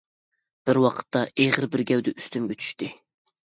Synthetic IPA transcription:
b̥ɪɾwɑqʰə̥t̪ʰːɑʔeʁəɾbɪɾɡʲɛwd̪ɛʔyst̪ymɡʲɛt͡ʃʰy̥ʃt̪ɪ

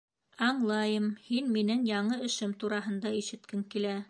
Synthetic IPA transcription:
ɑɴlˠɑjɤmhinminɘŋjɑɴɤɘ̆ʃɘmt̪uɾɑɦɤ̆nd̪ɑiʃɘ̆t̪kɘŋkilæ

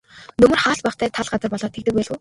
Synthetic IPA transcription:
nɵmɵ̆rχaːɬpaχt̪ʰæːt̪ʰaɮɢat͡sə̆rpɔɮɔːt̪ʰek̚t̪ɘ̆k̚pæːɮŭː

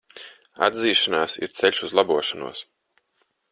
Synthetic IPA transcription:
a̰d̪ziːʃanaːsḭɾt̪sɛʎʲʃuzlˠabuɔʃanṵɔs

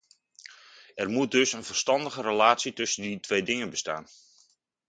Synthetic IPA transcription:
ɛrmut̚dɵsənvərstɑndəɣərəlaːtsitɵsənditʰʋejdɪŋənbəsta̰ːn

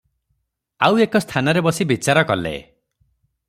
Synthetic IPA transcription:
awekɔst̪ʰanɔɾebɔsibit͡ʃaɾɔkɔlḛ

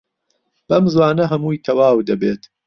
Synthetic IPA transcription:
b̥ɐmzwaːnɐɦɐmuːjt̪ʰɐwaːwd̪ɐbeːt̪

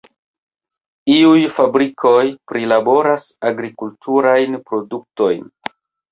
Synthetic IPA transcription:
iujfabɾikʰo̞jpɾilabo̞ɾasaɡɾikultʰuɾajnpɾo̞duk̚to̞jn

